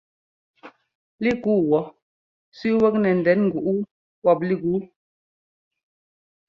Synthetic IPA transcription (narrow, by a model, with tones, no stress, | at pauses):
li˦ku˦˨wɔ˨ | sʉ˦wə˦k̚nɛ˨n̩˨dɛ˨˦nŋ̩˨ɡu˨ʔu˦ | wɔ˦˨p̚li˦˨ɡu˨˦